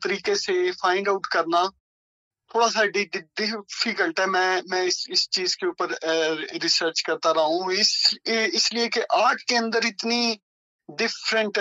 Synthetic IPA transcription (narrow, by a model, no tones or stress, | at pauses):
t̪əɾiːkeːseːpʰaːɪɳɖaʊʈkəɾnaː | t̪ʰoːɽaːs̬aːɖiɖɖɪfʰiːkəlʈɛːmɛ̃ːmɛ̃ːɪsɪst͡ʃiːzkeʊpəɾɾɪsəɾt͡ʃkəɾt̪aːɾaːɦũːɪsɪslɪeːkeʔaːʈʰkeːə̃nd̪əɾɪt̪niː | ɖɪfɾəɳʈ